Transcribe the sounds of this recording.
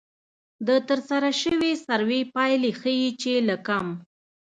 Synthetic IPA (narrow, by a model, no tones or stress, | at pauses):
d̪ət̪əɾsaɾaʃəwisaɾwepɑjlexəjit͡ʃelakam